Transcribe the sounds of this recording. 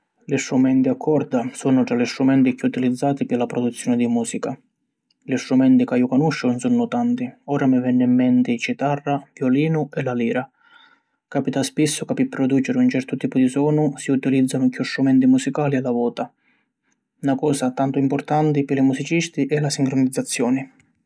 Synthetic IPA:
list̪ɾumɛnt̪iakʰːɔrd̪asɔnʊt̪ɾalist̪ɾumɛnt̪ikːɪut̪ilid̪zːaːt̪ipɪlapɾɔd̪ut̪sjɔːnɪd̪imuːsika | list̪ɾumɛnt̪ikajːʊkɔnuʃːʊnsɔnːʊt̪ant̪ɪɔːɾamɪvɛnːɪimːɛnt̪ɪt͡ʃit̪arːavjɔliːnʊɛlaliːɾa | kaːpit̪aspisːʊkapɪpːɾɔd̪uːt͡ʃɪɾɪunt͡ʃɛrt̪ʊt̪iːpʊd̪isɔːnʊsiut̪ilid̪zːanʊkːust̪ɾumɛnt̪imusikaːliɛlavɔːt̪a | nakɔːsat̪ant̪ʊimpɔrt̪ant̪ɪpɪlimusit͡ʃist̪iʔɛlasiŋkɾʊnid̪zːat̪sːjɔːnɪ

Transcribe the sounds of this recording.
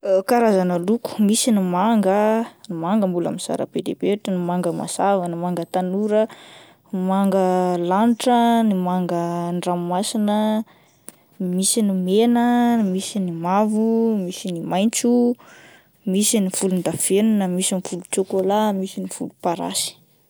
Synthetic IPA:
kaɾazanəluku̥misinimaŋɡənimaŋɡəmbulə̰miz̥a̰ɾə̰b̥edḛbeʈ͡ʂənimaŋɡəma̰zavanəmaŋɡət̪anuɾə | maŋɡəlaniʈ͡ʂənimaŋɡəɳɖ͡ʐammasinə | misinimenəmisinimavumisinimajnt͡su | misinifulund̪afenunəmisinifulut͡ʃokolamisinifulupaɾa̰si̥

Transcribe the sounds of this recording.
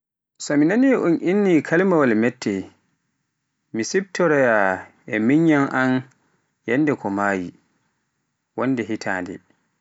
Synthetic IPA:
sɔminaniʔunʔinːikʰalmawalmɛtːɛ | misib̚tɔɾɛja | ɛmiɲːanʔan | jɛnːdɛkʰɔmaːji | wɔnːdɛɦitʰa̰ːndɛ̰

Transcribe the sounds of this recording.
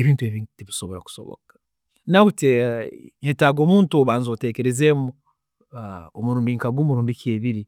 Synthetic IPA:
eβiːntueβiteβisoβo̞ɾa̰ku̥so̰βo̰kḁ | naβuteɲetaɡoːmuːntuβaːnzoteːke̞ɾezemo | omuɾuːmbiŋkaɡuːmuɾuːmbikeːβiɾi

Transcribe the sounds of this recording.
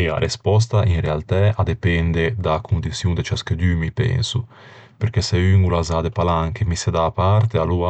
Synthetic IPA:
ea̰ɾʔespɔs̬t̪aʔiŋrealt̪ɛad̪epɛnd̪ed̪akʰund̪it̪sjuŋd̪et͡ʃasked̪ymipɛ̰nsu | peɾkɛseyŋulazad̪epalaŋkemised̪aːpaɾt̪ealua

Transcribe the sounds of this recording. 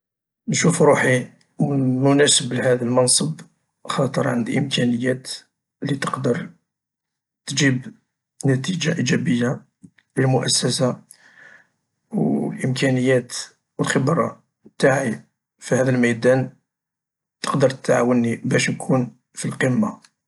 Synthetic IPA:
nʃufɾuħi | mʊnæsəblhæd̪əlmɑnsˤəb | xɑt̪ˤəɾˤʕə̰nd̪ʔəmkʰænəjːæt̪ | lit̪əqd̪əɾˤ | t̪d͡ʒib | næt̪iʒaʔid͡ʒæbəjːa | ləlmʊʔæsːæsa | wlʔəmkænəjːæt̪ | wəlxəbɾˤɑ̰ | t̪aʕi | fihæd̪əlmæjd̪æn | t̪ə̥qd̪əɾˤt̪ət̪ʕa̰wənːibæʃnkʰun | filqəmːa

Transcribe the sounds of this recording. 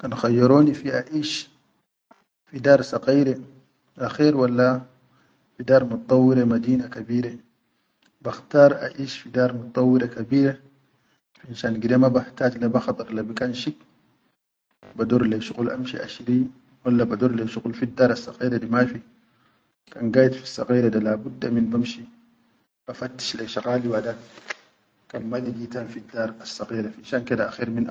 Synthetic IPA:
kanxajːɑɾoːnifiʔaʔiːʃ | fidaːɾˤsɑqiːɾe | ʔaxiːɾwalːa | fidaːɾˤmut̪̚t̪ˤːɑwːiɾemad̪iːnakabiːɾe | baxt̪ɑːɾˤʔa̰ʔiːʃfid̪aːɾˤmut̪̚t̪ˤːɑwːiɾekabiːɾe | finʃaːnɡid̪emabaħt̪aːd͡ʒlabaxɑt̪ˤɨɾˤlabikaːnʃik | bad̪uɾˤleʃuɣulʔamʃḭʔa̰ʃiɾi | walːabad̪uːɾleʃuɣulfid̪ːɑːɾˤasːɑɣiːɾadimafi | kanɡaːjd̪fisːɑ̰ɣiːɾad̪alabud̪ːaminbamʃi | bafat̪ːi̥ʃleʃaɣaːliwada | kanmad̪iɡiːt̪aːnfid̪ːaːɾˤasːɑɣiːɾafʔinʃaːnkedaʔaxiːɾmin

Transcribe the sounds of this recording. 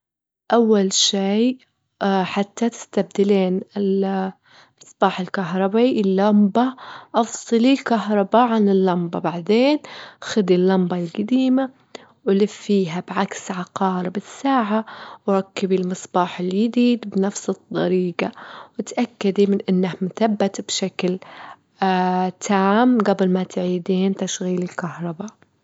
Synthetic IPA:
ʔawːalʃej | ħat̪ːat̪ɪ̥st̪ab̚d̪ɪleːnɪl | mɨsˤb̥ɑːħɪlkaɦɾˤɑbiʔɪlːambaʔɑfsˤɨlilkaɦɾˤɑbaʕanɪlːɑmbabaʕd̪eːnxad̪ilːɑmbɑlɡad̪iːma | wɪlɪfːiːɦabʕaksʕɑqɑːɾbɪsːaːʕawɾˤɑkːabilmɨsˤbɑːħɪljɪd̪iːd̪bnafsɨd̪̥ˤːɑ̰ɾiːɡawɪt̪ʔakːad̪imɪnʔɪnːahmʊθabːat̪bʃakl | t̪ʰaːmɡabɪlmat̪ʕiːd̪iːnt̪aʃɣiːlɪlkahɾˤɑba

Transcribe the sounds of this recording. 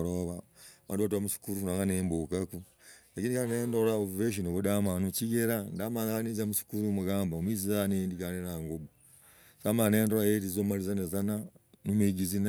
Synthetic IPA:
ɾoβaβa̰ːndiβatuamuʃi̥kuɾufunaŋanembokaku | lakiːndikaɾeneːndoɾaoveʃ̬onokodamaːnut͡ʃiɡeɾandaːmanaanizamuʃi̥kuɾumuɡaːmbaomwiːzizanendikanenaŋɡobo | samaneːndoɾajeɾizomalizanezananumeɡizina

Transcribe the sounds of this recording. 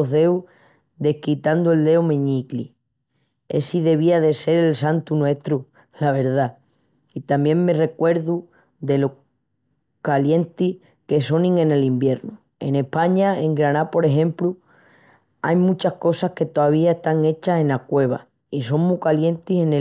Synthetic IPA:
oðe̞u | d̪e̞hkit̪and̪oe̞ld̪e̞omẽ̞ɲiklḭ | ḛsiðe̞βiaðe̞se̞ɾe̞lsant̪unwe̞ht̪ɾu | laβ̞e̞ɾða | it̪ambje̞ŋme̞re̞kwe̞ɾðu | ðe̞lo | kalje̞nt̪i | ke̞so̞nĩŋẽ̞ne̞limbje̞ɾnu | e̞̰ne̞hpaɲae̞ŋɡɾanapo̞ɾe̞ɦẽ̞mplu | a̰jmũt͡ʃahko̞sahke̞t̪oaβ̞iaeht̪aŋe̞t͡ʃase̞nakwe̞β̞a̰ | iso̞ŋmukalje̞nt̪ise̞n

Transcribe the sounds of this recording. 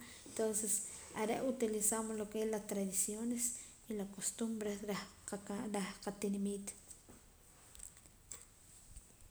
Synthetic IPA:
ent̪onsesaɾeʔut̪ilisamolokelat̪ɾaðisjones | ilakost̪umbɾeɾa | ɾahqat̪inamiːt̪

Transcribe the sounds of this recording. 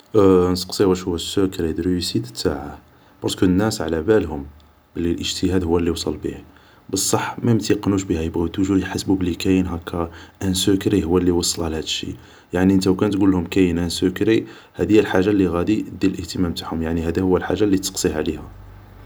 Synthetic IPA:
nt̪ə̥qsˤiwæʃhʊwːæsːʊkɾid̪ɾsit̪ə̥t̪ːaʕa | b̥ɑɾˤskunːæsʕlæbælhʊm | bəlːilʔəʒt̪əhæd̪hʊwːælːiwsˤɑlbḭh | bəsˤːɑħmæjəmt̪iqnuʃbihæjəbɣit̪uʒuħasbubəlːikæjənɦækʰːæʔænsʊkɾihʊwːælːiwɑsˤːəlhælhæd̪əʃːḭ | jaʕniʔənt̪æwkænt̪ɡulːhʊmkæjənʔænsukɾi | hæd̪əjːælħaʒːalːiɣæd̪id̪iləlʔəht̪əmæmt̪aʕhʊmjaʕnihæd̪æhʊwːælħa̰ʒːalːit̪sqsˤiʕlihæ

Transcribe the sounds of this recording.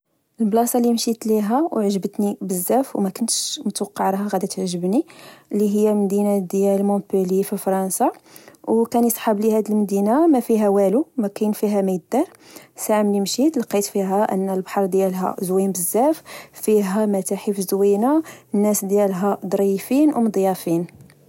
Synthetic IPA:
ʔəlblɑsˤɑlimʃit̪liɦæwʕʒəbət̪nibəzːæfwmækʊnt̪ʃmət̪wqːɑʕɾˤɑɦɑɣæd̪æt̪ʕʒəbnilːiɦəjːælmd̪inad̪jælmõpulififɾˤɑnsawkænjsˤħɑblihæd̪əlmd̪inamæfiɦæwælumækænfiɦæməjd̪ɑɾˤsaʕəmlimʃit̪lɑqːit̪fiɦæʔə̰nːəlbħɑɾˤd̪jælɦæ̰zwinbəzːæffiɦæmæt̪aħifzwinanːæsd̪jælɦæd̪ˤɾˤifinwmd̪ˤjɑfin

